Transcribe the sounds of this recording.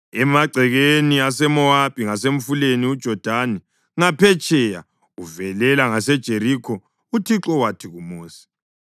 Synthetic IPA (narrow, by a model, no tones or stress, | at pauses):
ɛmaɡ͡ǀʱɛɣeniasɛmɔab̥ʱiŋaseɱ̩fuleniud̥ʒ̥ʱɔd̥ʱani | ŋapʰɛt͡ʃʼɛja̰ | uvɛlɛlaŋasɛd̥ʒ̥ʱeɾikʰɔ | utʰiǁɔwatʰiɣumoːsi̥